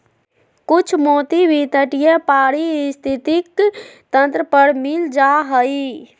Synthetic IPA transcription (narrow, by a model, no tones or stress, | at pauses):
kut͡ʃʰmoːt̪ibʱit̪əʈijəpaːɾist̪ʰit̪ikt̪ənt̪ɾəpəɾmɪld͡ʒaɦəi